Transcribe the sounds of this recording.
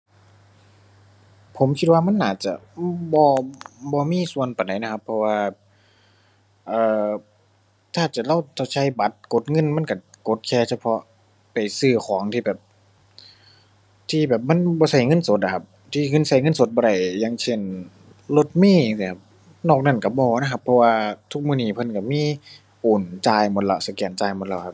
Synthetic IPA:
pʰo˨˦mkʰi˧˥t̪̚waː˧ma˥˨nːaː˨˩t̪̚t͡ɕa̰˧˦ʔbɔː˧bɔː˧miː˧˥˨su˧˨ənpa˨˩da˨˦jna˧kʰa˧pʰːɔ˧waː˧ | ʔɤː˧˩ | t̪ʰaː˧˩t͡ɕa˨˧˩la˧˩˨wt̪ʰa˧˩t͡ɕʰa˧˩˨jba˨˦t̪̚ko˧˦t̪̚ŋɤ˧˥˨nma˧˥˨nka˧˩ko˧˦t̪̚kʰɛː˧˩sʰa˧pʰɔ˧˥ | pa˨˩jsɯː˧˩xʰɔː˨˩˦ŋt̪ʰiː˧˩bɛː˨˩p̚ | t̪ʰiː˧bɛː˨˩p̚ma˧˥˨nbɔː˧sa˧˩jŋɤ˧˥˨nso˨˦t̪̚ʔa˧kʰa˧p̚ | t̪ʰiː˧˩ŋɤ˧˥˨nsa˧˩jŋɤ˧˥˨nso˨˦t̪̚bɔː˧ɾa˧˩jːaː˧˥ŋsʰe˧˩n | lo˧˦t̪̚miː˧˩˨ŋskʰa˧p̚ | nɔː˧˩k̚na˧˥˨nka˧˩bɔː˧˩˧na˧kʰa˧pʰːɔ˧waː˧t̪ʰu˦˥k̚mɯː˧˨niː˧˩pʰɤ˧˥˨nka˧˩miː˧˥˨ | ʔoː˨˩nt͡ɕaː˧jmo˧˦t̪̚la˧˩˨sa˧˩kɛː˧˩˨nt͡ɕaː˧˩jmo˧˦t̚la˧˩wkʰa˧˦p̚

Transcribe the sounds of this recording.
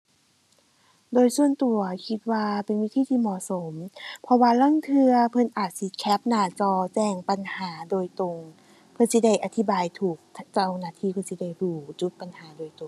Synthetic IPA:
doː˧jsu˧ənt̪u˨˩ɐkʰi˧t̪̚waː˧pe˨nwi˦˧˥t̪ʰiː˧t̪ʰiː˧mɔː˧˨˩so˨˦mpʰɔ˧waː˧la˧˥˨ŋt̪ʰɯ˧ɐpʰɤ˧˨nʔaː˨˩t̪̚si˧˦kʰɛ˦˥p̚naː˧˩t͡ɕɔː˧˩t͡ɕɛː˧˩ŋpa˨nhaː˩˦doː˧˨jt̪o˧˩ŋ | pʰɤ˧˥nsi˧˦da˧˩jʔa˨˧t̪ʰi˦baː˨jt̪ʰuː˨˩k̪̚ʰt͡ɕa˧˩˨wnaː˧˩t̪ʰiː˧˩pʰɤ˧˥nsi˧˦da˧˩jɾuː˧˩t͡ɕu˧˦t̪̚pa˨nhaː˨˩˦doː˧˩jt̪o˨ŋ

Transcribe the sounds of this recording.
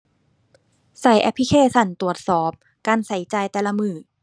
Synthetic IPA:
sa˨˩˦jʔɛ˧˥pʰi˦˥kʰeː˧˥˩sa˧˩nt̪ɾu˨˩ət̪̚sɔː˨˩p̚ | kaː˧nsa˨˩˦jt͡ɕaː˧jt̪ɛː˧˩la˧mɯː˨˩

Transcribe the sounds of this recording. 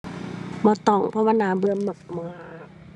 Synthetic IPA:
mɔː˧˦t̪ɔ˨˩˨ŋpʰɔ˧waː˧˨naː˨˦bɯ˧əmːɯ˨˩k̚mɔː˨˦

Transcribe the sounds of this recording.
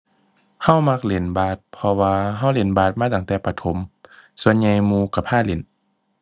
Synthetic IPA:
ha˧˩˨wma˧k̚le˨˦nbaː˧˩t̪̚pʰɔ˧waː˧ɦa˧˥˨wle˨˦nbaː˧˩t̪̚maː˧˥˨t̪a˧˦ŋt̪ɛː˧pa˧t̪ʰo˨˦msu˧ənɲa˧jmuː˧˦ka˧˩pʰaː˧˥˩le˨˩˦n

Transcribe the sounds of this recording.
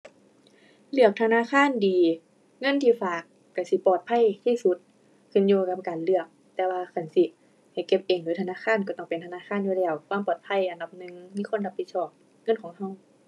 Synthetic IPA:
lɯ˧˩ək̚t̪ʰa˧naː˧˥˨xʰaː˧˥˨ndiː˨˦ | ŋɤ˧˥˨nt̪ʰiː˧˩faː˨˧˩kːa˧˩si˧˦pɔː˨˩t̪̚pʰa˧˥˨jt̪ʰiː˧˨su˧˦t̪̚ʰː | ɯ˧˩˨njuː˧ka˧p̚kaː˨˩nlɯ˧˩ək̚ | t̪ɛː˧waː˧kʰa˧˩nsi˧ | ha˨˩jke˧p̚ʔeː˨˩ŋduː˨˦jt̪ʰnaː˧˥˨xʰaː˧˥˨nkɔ˧˩t̪ɔː˧˩ŋpe˨nt̪ʰa˧naː˧˥˨xʰaː˧˥˨njuː˧lɛː˧˩wkʰwaː˧˥˨mpɔː˧˩t̪̚pʰa˧˥˨jʔa˨˩nda˧p̚nɯ˧ŋmiː˧˥˨kʰo˧˥˨nha˧pʰːi˧t̪̚sɔː˧˩p̚ | ŋɤ˧˥˨nkʰɔː˨˦ŋɦa˧˨w

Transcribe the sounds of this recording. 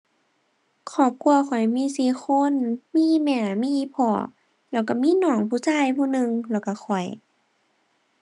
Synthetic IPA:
kʰɔː˧˩˦p̚ku˧ɐkɔ˨˩jmiː˧˥˨siː˧˦xʰo˧˥˨nmiː˧˥˨mɛː˧˩miː˧˥˨pʰɔ̰ː˧˩˦ | lɛː˧˩wka˧˩miː˧˥˨nɔː˧˩˦ŋpʰuː˧˩˨saː˧˥˨jpʰuː˧˨nɯ˧ŋlɛː˧˩wka˧˩xʰɔ˨˩j

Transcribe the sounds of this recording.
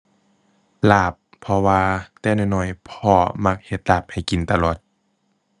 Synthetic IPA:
laː˧˩pʰːɔ˧waː˧t̪ɛː˧˦nɔː˧˩˨jnɔ˧˩jpʰɔː˧ma˧k̚he˧˩t̪̚laː˧˩p̚ha˨˩jki˨nt̪a˧˨lɔː˨˩t̪̚

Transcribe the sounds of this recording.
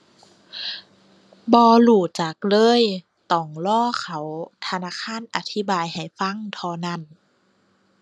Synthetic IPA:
bɔː˧luː˧˩t͡ɕa˨˩k̚lɤː˧˥˨j | t̪ɔː˨˩ŋlɔː˧˥˩kʰa˧˩wt̪ʰa˧naː˧˥˨kʰaː˧˥˨nʔa˧t̪ʰi˧˦baː˧jha˨˩jfa˧˥˨ŋt̪ʰɔː˧na˧˥˩n

